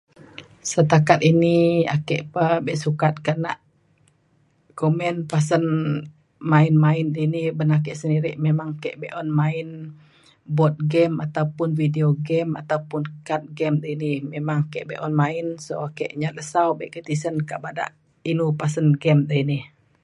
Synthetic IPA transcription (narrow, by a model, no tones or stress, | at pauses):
sət̪akat̪̚inia̰kɛ̰ʔpəbɛʔsukat̪̚kana̰ʔ | komɛnpasən | maɪnmaɪndəinihbənak̬ɛʔsəndiɾɪʔmemaŋkɛʔbɛʔɔnmaɪn | bɔt̪̚ɡɛmat̪aupʊnfidioɡɛma̰t̪awpʊnkat̪̚ɡɛmdəinimemaŋkɛ̰ʔbɛ̰ʔɔnmainsoakɛ̰ʔɲat̪̚əsawbɛ̰ʔkət̪isənkaʔbada̰ʔ | inupasənɡɛmdəinih